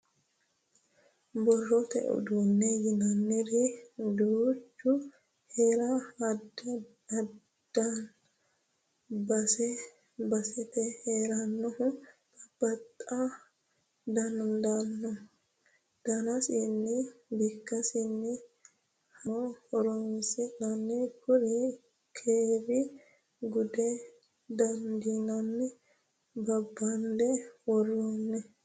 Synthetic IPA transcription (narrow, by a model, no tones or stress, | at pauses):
bɔrːɔt̪ɛ̰ʔṵd̪uːnːejɪnanːɪɾid̪ut͡ʃːʊ | heːɾad | ɐ | d̪̥ɐn | bɐsɛ | bɐsɛt̪ɛheːɾanːɔhʊt̪ʼɐb̥ːɐt̪ʼːa | d̪ɐnd̪ɐnːɔ | d̪̥ɐnɐsɪnːɪbikːɐsɪnːɪ | hɐoːɔɾɔmsɪnɐnːɪkʊɾɪ | kʰeːɾɪ | ɡʊd̪ɛ | d̪ɐnd̪inɐnːɪ | bɐbːɐndɛwɔroːnːɛ